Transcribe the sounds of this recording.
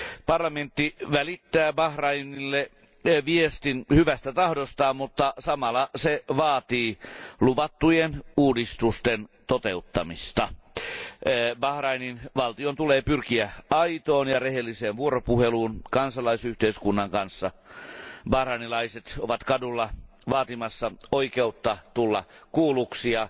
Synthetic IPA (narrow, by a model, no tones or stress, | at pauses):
pɑrlɑment̪ːiʋælit̪ːæːbɑhrɑinilːe | ʋiest̪inhyʋæst̪æt̪ɑhdost̪ɑːmut̪ːɑsɑmɑlɑseʋɑːt̪iːluʋɑt̪ːujenuːdist̪ust̪ent̪ot̪eut̪ːɑmist̪ɑ | bɑhrɑininʋɑlt̪iont̪uleːpyrkiæɑit̪oːnjɑrehelːiseːnʋuoropuheluːnkɑnsɑlɑisyht̪eiskunːɑŋkɑnsːɑ | bɑhrɑinilɑiset̪oʋɑt̪kɑdulːɑ | ʋɑːt̪imɑsːɑoikeut̪ːɑt̪ulːɑkuːluksiɑ